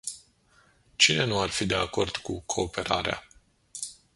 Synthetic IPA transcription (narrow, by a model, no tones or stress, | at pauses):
t͡ʃine̞nuarfid̪e̞ako̞rd̪kukʰo̞ːpe̞ɾa̰ɾea̰